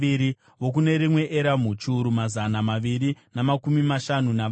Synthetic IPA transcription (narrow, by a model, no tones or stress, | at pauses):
iɾi | ʋo̞k̬une̞ɾimwe̞ʔeɾamut͡ʃuɾumazanamaʋiɾinamakumimaʃanuna